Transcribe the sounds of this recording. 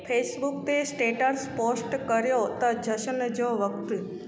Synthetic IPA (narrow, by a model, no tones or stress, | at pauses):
pʰesbuk̚t̪esʈeʈəɾsposʈkəɾjot̪əd͡ʒəʃənəd͡ʒoʋəkt̪